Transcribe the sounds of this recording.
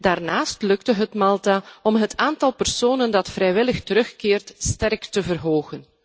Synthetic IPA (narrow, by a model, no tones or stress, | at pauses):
daːrnaːstlɵktəɦətmɑlˠtaɔmɦətʰaːntɑlˠpərsoːnəndɑtfrɛjʋɪləxtəɾɵxkɪːrtstɛrktəvərɦoːɣən